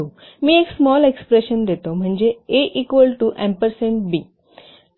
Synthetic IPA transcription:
o | mĩːeksmɔːlekspɾeʃənd̪et̪om̤əɳd͡ʑeeʔiːkʋəlʈuʔɛ̃mpəɾsẽɳʈ̚biː

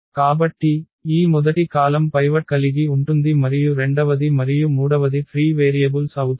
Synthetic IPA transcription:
kaːbɐʈːi | iːmʊðɐʈːikaːlɐmpɐɪʋɐʈ̚kɐlɪɣiʊɳʈund̪imɐɾɪjuɾɛɳɖɐʋɐðimɐɾɪjumuːɽɐʋɐðipʰɾiːʋeːɾijɐbɯlsɐwt̪

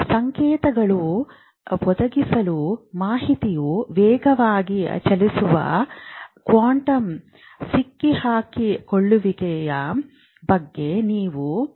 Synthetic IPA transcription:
sɐŋkɛːt̪ɐɡɐɭu | ʋɔd̪ɐɡisɐlumaːɦit̪ijuʋɛːɡɐʋaːɡit͡ʃɐlisuʋɐ̰ | kʋaːɳʈɐm | sikːihaːkikoɭːuʋikɛjɐ | bɐɡːe̞niːʋu

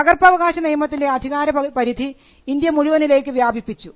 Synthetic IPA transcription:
pɐɣɐrpɐʋɐɣaːɕɐnijɐmɐt̪ːinde̞ɐd̪ʱiɣaːɾɐpɐɾid̪ʱiː | nd̪jɐmuɻuʋɐnile̞ːkːɨʋjaːbʱipːit͡ɕːu

